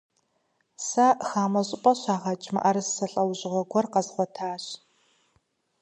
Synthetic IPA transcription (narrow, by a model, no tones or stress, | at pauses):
saːxaːmɐɕʼɪpʼɐɕaːʁɐt͡ʃʼmɐ̰ʔarɨsːɐɬʼɐwʑʼɪʁʷɔɡʷɔrqɐzʁʷɔtʰaːɕ